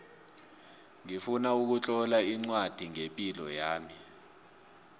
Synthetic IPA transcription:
ŋifunauk̬ut͡ɬʼɔlaiŋ͡ǀwad̥ʱiŋempʼilɔjaːmi

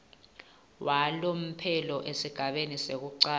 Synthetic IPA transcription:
wʔalom̩pʰɛlɔʔesiɡ̥ʱaɓenisek̬uǀaː

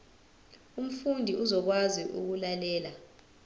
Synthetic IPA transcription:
um̩fundʱiʔuzɔk̬waziʔṵk̬ulalɛːla

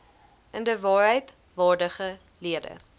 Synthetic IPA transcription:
ʔəndəvɑːrɦəjt | vɑːrdəχə | liədə̰

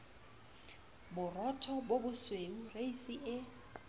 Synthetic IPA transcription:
bʊrɔtʰɔbobʊsweŋureisiʔɪ

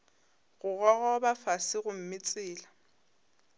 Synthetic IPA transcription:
ɣʊɣɔɣɔbafasɪɣʊm̩mɪt͡sʼɪːla

